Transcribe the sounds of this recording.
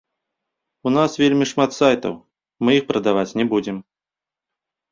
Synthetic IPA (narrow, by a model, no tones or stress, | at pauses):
unasvʲelʲmʲiʂmat̪sajt̪ɐ̰w | mɨjixpɾɐd̪avat͡sʲnʲɛbud͡zʲɛm